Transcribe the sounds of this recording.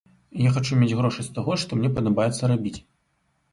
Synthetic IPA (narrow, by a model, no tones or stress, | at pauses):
jaxat͡ʂumʲed͡zʲɣɾɔʂɨsʲt̪aɣɔʂt̪ɔmnʲɛpɐd̪abajɛt̪sːɐɾabʲit͡sʲ